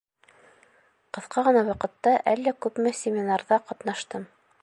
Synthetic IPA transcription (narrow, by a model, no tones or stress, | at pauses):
qɤ̆θqʰɑʁɤ̆nɑwɑqɤ̆t̪ːɑʔælːækʉpmɘsʲɪmʲɪnarðɑqɑt̪nɑʃt̪ɤm